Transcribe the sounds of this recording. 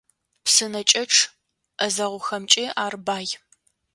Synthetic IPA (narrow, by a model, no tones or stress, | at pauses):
psɨnɐt͡ʃʼɐʈ͡ʂʰ | ʔɐzɐʁʷʊxɐmt͡ʃʼiaːrbaːj